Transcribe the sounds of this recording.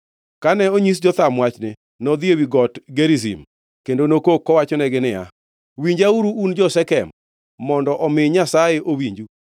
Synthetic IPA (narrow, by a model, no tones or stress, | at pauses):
kanɛoɲisd͡ʒɔt̪amwat͡ʃnɪ | nɔd̪ɪewiɡɔtɡeɾizḭm | kendonokokːɔwat͡ʃɔnɛɡɪnɪja̰ | wiɲd͡ʒauɾuund͡ʒɔsɛkɛmː | ɔndɔʔɔmɪɲasajeʔowiɲd͡ʒu